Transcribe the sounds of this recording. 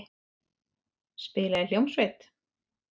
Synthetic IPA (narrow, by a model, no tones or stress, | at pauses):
spɪːlaɪljowmsveːt̪